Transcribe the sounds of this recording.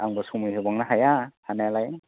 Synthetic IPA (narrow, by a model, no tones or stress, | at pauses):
aŋbasumɯjɦɯbaŋnaɦajahanajalaj